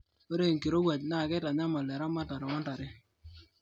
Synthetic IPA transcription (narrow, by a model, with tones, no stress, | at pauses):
o˦ɾe˦˨ŋ˨ki˨ɾo˦wa˨tna˦˨kɛ˦ta˨ɲa˦ma˨lɛ˨ɾa˦ma˦ta˨ɾɪ˨ɔ˦nta˨ɾɪ˦